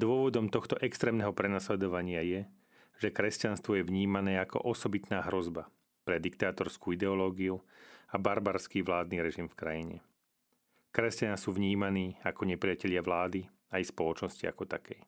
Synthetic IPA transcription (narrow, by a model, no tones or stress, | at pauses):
d̪ʊɔʋɔd̪ɔmt̪ɔxt̪ɔʔɛkst̪ɾɛːmnɛɦɔpɾɛnaslɛd̪ɔʋaɲɪajɛ | ʒ̥ɛkɾɛscanst̪ʋɔjɛʋɲiːmanɛːakɔ̰ʔɔsɔbit̪naːɦɾɔzba | pɾɛd̪ikt̪aːt̪ɔɾskuːid̪ɛɔlɔːɡiuabaɾbaɾskiːʋlaːd̪̚niɾɛʒimfkɾajiɲɛ̰ | kɾɛscanaːsuːʋɲiːmaniːakɔɲɛpɾɪjacɛʎɪaʋlaːd̪i | ajspɔlɔt͡ʃnɔscia̰kɔt̪akʰɛj